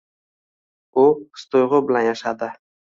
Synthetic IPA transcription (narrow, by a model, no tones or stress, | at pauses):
ʊst̪ojʁʊbɪlanjaʃad̪ɪ